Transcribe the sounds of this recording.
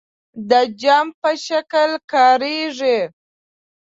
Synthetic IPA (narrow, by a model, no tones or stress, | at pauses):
d̪əd͡ʒɑmpəʃakəlkɑɾeʐi